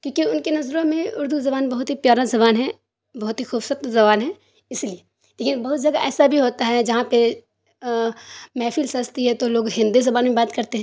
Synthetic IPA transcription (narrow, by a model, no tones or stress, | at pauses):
kjõːkiʊnkenɐzɾõmẽʊɾd̪ʱuzɐbaːnbɐɦʊt̪ɦipjaːɾazɐβaːnɦɛ | bɐɦʊt̪ɦixuːbsɐt̪zɐbaːnɦɛː | ɪslie | leːkɪnbɐɦʊt̪̚d͡ʒɐɡaʔɛːsabʱiɦoːt̪aɦɛd͡ʒɐɦãpe | mɛːfʰilsɐst̪iɦɛt̪oloːɡɦɪ̃nd̪izɐbaːnmẽbaːt̪kɐɾt̪eɦɛ̃ː